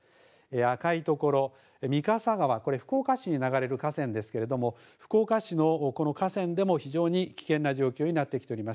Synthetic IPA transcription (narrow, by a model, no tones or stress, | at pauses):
eakait̪o̞ko̞ɾo̞ | mʲikasaɡaβako̞ɾe̞ɸɯ̟̥ko̞ːkaɕiɲ̟inaɡaɾe̞ɾɯ̟kasẽ̞nd̪e̞sɨ̥ke̞ɾe̞d̪o̞mo̞ | ɸɯ̥ko̞ːkaɕino̞kono̞kasẽ̞nd̪e̞mo̞çiʑo̞ːɲ̟ikʲi̥kẽ̞nːaʑo̞ːkʲo̞ːɲ̟inat̪ːekʲi̥t̪eɾʲimas